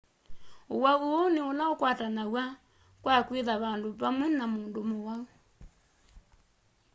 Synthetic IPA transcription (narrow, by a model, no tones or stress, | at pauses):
owauoneonaokwatanawa | kwakweðaβandoβamwɛnamoːndomowau